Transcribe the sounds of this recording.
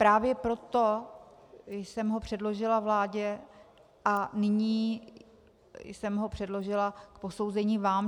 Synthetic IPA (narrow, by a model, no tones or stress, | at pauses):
pɾaːvjɛpɾo̞t̪o̞ | jsɛmɦo̞pr̥ɛdlo̞ʒɪlavlaːɟɛ | ʔanɪɲiː | jsɛmɦo̞pr̝̥ɛdlo̞ʒɪlakpo̞so̞wzɛɲiːvaːm